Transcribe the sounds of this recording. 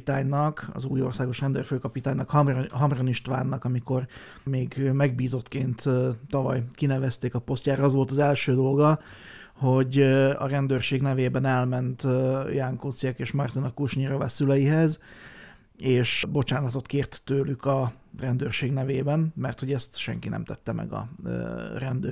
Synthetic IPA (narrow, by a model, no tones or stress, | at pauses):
t̪aːɲnɒkɒ̰zuːjo̞rsaːɡo̞ʃrɛnd̪ø̰ːrføːkɒpit̪aːɲnɒkhmɦɒmroniʃt̪ʋa̰ːnːɒkɒmiko̞r | meːɡmɛɡ̚biːzo̞t̪keːnt̪t̪ːɒvɒ̰jkinɛvɛst̪eːkɒpo̞st̪cjaːɾɒɒzʋo̞lt̪ɒzɛlʃøːd̪o̞lɡɒ | ho̞ɟɒ̰ɾɛnd̪øːrʃeːɡnɛveːbɛnɛlmɛnt̪jaŋkosijɛkeːʃmɒrt̪inɒkuʃɲiɾɒvɛ̰sylɛjiɦɛz | eːʃbo̞t͡ʃaːnɒt̪o̞t̪keːrt̪ːøːlykɒrɛnd̪øːrʃeːɡnɛveːbɛnmɛrt̪ho̞ɟɛst̪ʃɛ̰ŋkinɛ̰mt̪ɛt̪ːɛmɛ̰ɡɒ̰ | rɛnd̪øː